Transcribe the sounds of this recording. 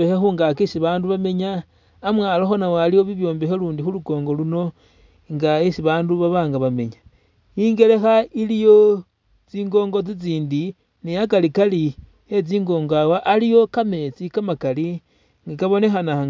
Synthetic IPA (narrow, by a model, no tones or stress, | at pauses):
exexuːŋɡakisiβaːnduβame̞ɲaː | mwaːloxonawaalijwo̞βiβjo̞ːmbe̞xeluːndixuluko̞ːŋɡo̞luno̞ | ŋɡaesiβaːnduβaβaːŋɡaβame̞ɲa | iːŋɡe̞le̞xailijo̞ | t͡siːŋɡo̞ːŋɡo̞t͡sit͡siːndi | nejak̬alikali | et͡siːŋɡo̞ːŋɡawaʔalijo̞kame̞t͡sikamakali | ŋɡakaβo̞ne̞xana